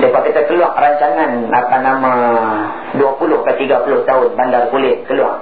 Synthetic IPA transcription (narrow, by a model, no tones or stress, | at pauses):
dapakit̪akəluaʔ̚raɲt͡ʃaŋanapanamã | duapulʊhkat̪iɡapulʊht̪aʊnbandarkulɪt̪̚kəlua̰ʔ